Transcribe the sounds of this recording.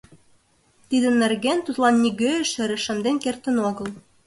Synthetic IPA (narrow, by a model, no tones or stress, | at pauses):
t̪id̪ə̆nːɘ̆rɣent̪ut̪lˠɑnːiɣøɘ̆ʃɘ̆ɾɘ̆ʃə̆md̪enkert̪ə̆noɣɤ̆l